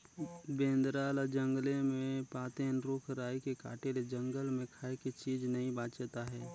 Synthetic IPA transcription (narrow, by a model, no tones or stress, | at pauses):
bẽːnd̪ɾaːld͡ʒə̃ŋɡlẽmẽpaːt̪ẽnɾʊːkʰɾaːjkeka̰ːʈeled͡ʒə̃ŋɡəlmẽkʰaːekit͡ʃiːd͡ʒnɐɦĩbaːt͡ʃet̪aɦɛː